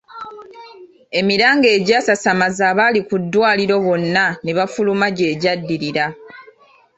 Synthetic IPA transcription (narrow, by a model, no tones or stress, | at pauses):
e̞miɾaːŋɡe̞ːɟaːsasamazaːβalikudːwaːliɾo̞βo̞nːaneβafulumaɟe̞ːɟadːiɾiɾa